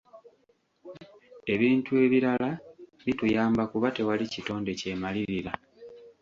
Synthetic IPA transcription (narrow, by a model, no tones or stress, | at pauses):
e̞βiːntue̞βiɾalaβitujaːmbakuβate̞walicito̞ːnde̞ce̞ːmaliɾiɾa